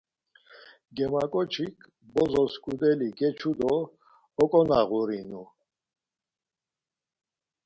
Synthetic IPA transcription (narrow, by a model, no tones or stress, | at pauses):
ɡɛmakʼɔt͡ʃʰikʰ | bɔzɔskʰʼud̪ɛliɡɛt͡ʃʰud̪ɔː | kʼɔnaɣuɾinu